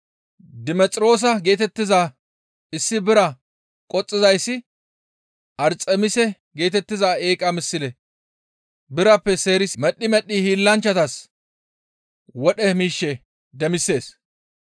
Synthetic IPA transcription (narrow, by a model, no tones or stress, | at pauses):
d̪ɪmɛt͡sʼɾo̞ːs̬ɐɡe̞ːt̪ɛt̪ːɪza | ɪsːɪbɪɾɐ | kʼɔt͡sʼːɪzɐjsːɪ | ʔɐɾt͡sʼɛmɪsɛ | ɡe̞ːt̪ɛt̪ːɪzaːeːkʼɐmɪsːɪlɛ | bɪɾɐpːɛse̞ːɾɪsmɛɗːɪmɛɗːihiːlːɐnt͡ʃːɐt̪ɐs | wɔɗɛmiːʃːɛ | d̪ɛmɪsːe̞ːs